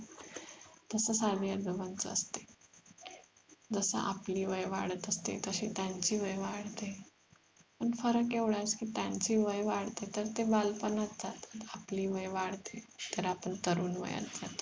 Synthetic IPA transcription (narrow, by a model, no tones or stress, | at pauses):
t̪əsəsad̪ijad̪əbənt͡səə̰st̪e̥ | d͡zəsə̰ʔapliːʋəjʋaɽət̪əst̪ḛt̪əɕiːt̪jaɲt͡ɕiːʋəjʋaɽ̤t̪e | pəɳfəɾəkeʋɽjat͡skiːt̪jaɲt͡ɕiːʋəjʋaɽ̤t̪et̪əɾt̪ebalpənat̪ːat̪t̪apliːʋəjʋaɽ̤t̪e | t̪əɾapəɳt̪əɾuːnʋə̰ja̰td͡zat̪